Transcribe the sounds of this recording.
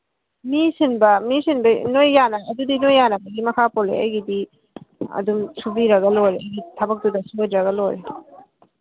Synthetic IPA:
misinbɐmisinbɐnojːanɐɐdudinojːanɐbɐɡimɐkʰapolḛɐ̰jɡidi | ɐ̰dumsubiɾɐɡɐlojɾeɐjɡitʰɐbɐk̚dudɐsojdɾɐɡɐlojɾe

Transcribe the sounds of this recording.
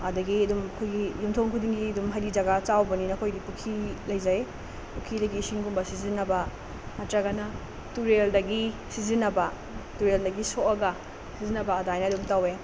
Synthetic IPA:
ɐdɐɡiɐdumɐkʰojɡijumtʰoŋkʰudiŋɡiɐdumɦɐjlid͡ʒɐɡɐt͡ʃawbɐninɐkʰojdipukʰilɐjzaj | pukʰːidɐɡisiŋɡumbɐsizinːɐbɐ | ɐtɾɐɡɐnɐ | tuɾeldɐɡisizinːɐbɐ | tuɾeldɐɡisoʔɐɡɐ | sizinɐbɐːdajnɐdumtɐwe

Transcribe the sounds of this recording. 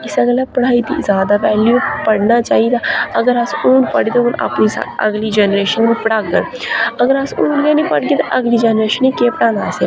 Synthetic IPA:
ɪsəɡəlapɐɽ̤aːid̪izjaːd̪aʋɛːljupɐɽnat͡ʃaːɦid̪aɐɡəɾasuːnpɐɽit̪oʊna̰pnisa̰ɐ̰ɡlid͡ʒɛnɾeːʃənːipəɽaːɡəɽ | ɐɡəɾasuːnkenĩpɐɽɡet̪oʔɐɡlid͡ʒɛnɾeːʃənikepəɽãːnaːse

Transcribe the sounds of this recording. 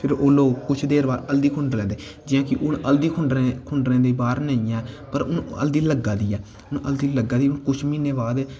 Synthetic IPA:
pʰɪɾoːloːɡkʊt͡ʃʰd̪eːɾbaːɾəld̪iːkʰʊɳɖɾlɛ̃ːd̪eːd͡ʒɪjãːkɪʔʊɳəld̪iːkʰʊɳɖɾekʰʊɳɖɾẽːd̪eːbaːɾnəĩːɛːpəɾʊnə̰ld̪iːləɡːaːd̪iːɛː | ʊnə̰ld̪iːləɡaːd̪iːʊnkʊt͡ʃʰmiːneːbaːd̪

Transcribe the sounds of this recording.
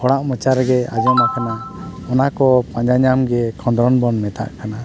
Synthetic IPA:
hʰɔɽaʔmət͡ʃaɾɡɛad͡ʒɔmakʰanaɔnakɔpãɲd͡ʒaɲamɡɛkʰɔ̃nd̪ɾɔnbɔnmɛt̪a̰ʔkʰana

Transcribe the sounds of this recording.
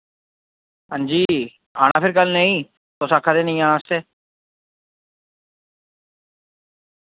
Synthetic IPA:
ɦə̃nd͡ʒiː | aːɽ̃a̰ːpʰɪɾkəlnəĩː | t̪oːsaːkʰaːd̪eːnəĩaːnaːst̪eː

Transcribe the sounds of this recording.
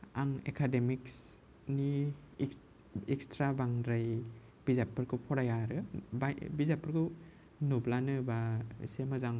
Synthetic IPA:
aŋḛkʰademiks | ni | ekstɾabaŋdɾaj | b̥izapːɯɾkʰɯpʰɔɾajaɾɯbabizapːɯɾkʰɯ | nublanɯbasemazaŋ

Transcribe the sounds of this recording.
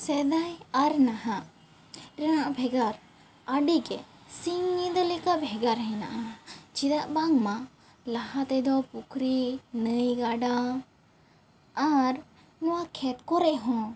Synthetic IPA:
sɛd̪ajaɾnaɦa | ɾɛnaʔabʱɛɡaɾ | aɖiɡɛ | siŋɲid̪ɔlɛkaʔbʱɛɡaɾɦɛna̰ʔat͡ʃid̪aʔbaŋma | laɦat̪ɛd̪ɔpukʰɾinəjɡaɖa | ɾ | nɔwakʰɛt̪̚kɔɾɛʔɦɔ̃

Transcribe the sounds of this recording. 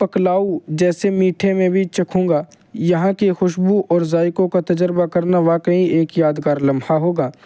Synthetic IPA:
pɐklaːud͡ʒɛːsemiːʈʰemẽbʱit͡ʃɐkʰõːŋɡaː | jɐɦãkexʊʃbuʔɔːɾzaːɪkõkat̪ɐd͡ʒəɾbakɐɾnaʋaːkəĩeːkjaːd̪ɡaːɾlɐ̃mhaɦoːɡaː

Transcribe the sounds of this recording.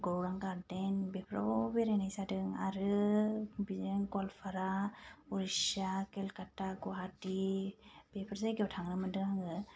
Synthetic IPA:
ɡɔwɾaŋkaɾdenbepʰɾɔ̰beɾajnajsadɯŋaɾɯ | bizenkɔlpʰaɾauɾisakɛlkataɡɔɦati | b̥epʰɾsajɡɛwtʰaŋɾɯmɯdɯŋaŋɯ

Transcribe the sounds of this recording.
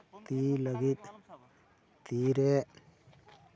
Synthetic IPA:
t̪iːləɡit̪̚ | t̪iːɾe

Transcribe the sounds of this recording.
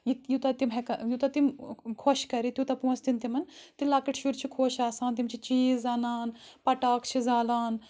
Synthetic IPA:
jijut̪ɐt̪imɦɛkɐjut̪ɐt̪imkʰoːʃkɐɾit̪jut̪ɐpõːst̪int̪imɐnt̪ilaːkɐʈʰʃuɾt͡ʃʰikʰoːʃaːsaːnt̪imt͡ʃʰit͡ʃiːzaːnaːnpɐʈaːkt͡ʃʰizaːlaːn

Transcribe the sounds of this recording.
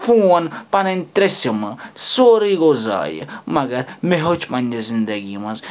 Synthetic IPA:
fuːɐnpɐnɐnʲt̪ɾesɐmɐsoːɾiɡoza̰ːjə̰mɐɡɐɾmeɦot͡ʃʰpɐnʲd͡ʒɐzind̪ɐɡimɐz

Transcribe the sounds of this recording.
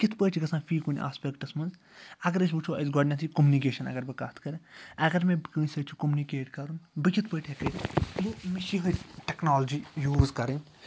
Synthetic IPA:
kit̪ʰpəːʈʰiɡɐsãːfʰiːkunʲʔa̰ːspʲekʈɐsmɐnz | ɐɡɐɾɐs̬ʰʲbut͡ʃʰoɐ̰zɡɔːɖnʲɐt̪ʰikomunikeːʃɐnɐ̰ɡɐɾbɐkaːt̪ʰkɐɾɐɡɐɾmẽbkɨnʲsɐt͡ʃʰu̥komunikeːʈkɐɾunbɨkʲit̪ʰpəʈʰɦekɐʈʲjomiʃikɐʈeknaːld͡ʒijuːzkɐɾɐnʲ

